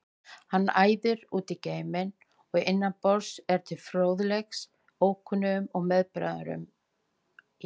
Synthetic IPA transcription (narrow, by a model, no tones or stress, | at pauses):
hanːaːjðʏɾuːt̪ɪceːjmɪn | ɔɣɪnːanpɔɾsɛɾ̥t̪ʰɪlfɾoːwðlɛxs | oːwkʰʏnʏʏmɔɣmɛðpɾa̰ða̰ɾʏ̰m